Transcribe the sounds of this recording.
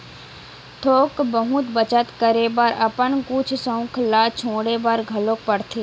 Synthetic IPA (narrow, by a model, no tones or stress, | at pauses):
t̪ʰoːkbəɦʊt̪bət͡ʃət̪kəɾebaɾəpənkʊt͡ʃʰsə̃ʊ̃kʰlaːt͡ʃʰõːɽebaɾɡʱəloːk̚pəɽt̪ʰe